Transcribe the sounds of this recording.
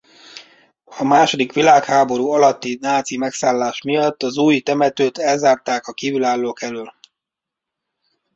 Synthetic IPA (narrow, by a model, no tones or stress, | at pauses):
ɒmaːʃo̞d̪ikʋilaːkhaːbo̞ɾuːɒlɒt̪ːinaːt̪simɛksaːlːaːʃmijɒt̪ːɒzuːjt̪ɛmɛt̪øːt̪ɛlzaːrt̪aːkɒkiːvylaːlːoːkɛlyl